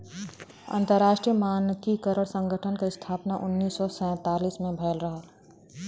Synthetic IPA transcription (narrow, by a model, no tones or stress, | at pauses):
ɐ̰̃nt̪əɾːaːʃʈɾijəmaːnk̪ikəɾəɽsə̃ŋɡʱəʈʰənkaɪst̪ʰaːpnaʔʊnːiːsːɔsɛ̃ːt̪aːliːsmẽbʱɛːlɾəɦa